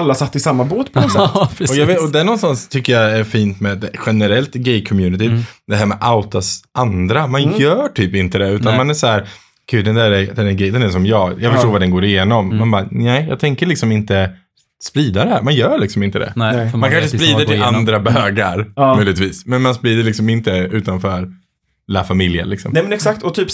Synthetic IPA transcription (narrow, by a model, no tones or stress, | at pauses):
alːasat̪ːɪsamːaboːt̪pʰɔsɛɔjɑvɔd̪ɛæɳɔnst̪anst̪ʰʏkːəjɑæɾfiːnt̪mɛd̪ɛɧɛnəɾɛlt̪ɡɛjkʰɔmjʉːnɪt̪ɪd̪ɛɦæːɾmɛʔaʊt̪asʔand̪ɾamanjœːʈʰyːpɪnt̪əd̪ɛʉ̟ːt̪anmanæʂhæːɾ | ɡ̥ʉ̟ːd̪ɛnd̪æɾɛd̪ɛnæɡɛd̪ɛnæsɔmjɑːɡjɑːɡfœʂʈoːɾvaɖɛnɡoːɾɪjeːnɔmːanbɑːnɛɪjɑ̰ɡt̪ʰɛŋkəɭɪksɔmɪnt̪ə | spɾiːd̪ad̪ɛhæːɾmanjœːɭɪksɔmɪnt̪əd̪ɛ̰mankʰanʂəspɾiːd̪əɪlʔand̪ɾabœːɡaɾmœjlɪɡ̚t̪viːsmɛnmanspɾiːd̪əɭɪksɔmɪnt̪əʉ̟ːt̪anfœːɾ | ɛlafamɪljə̰lɪksɔ̰mnɛmɛnɛksak̚t̪ɔt̪ʰyːp